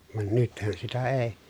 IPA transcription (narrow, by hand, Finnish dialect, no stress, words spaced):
ʋɑn nythæn sitæ eˑi̯